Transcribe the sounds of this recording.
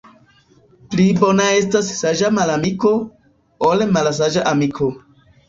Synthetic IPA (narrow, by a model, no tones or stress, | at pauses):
plibo̞nae̞stassaʒamalamiko | olmals̬aʒaʔamikʰo̞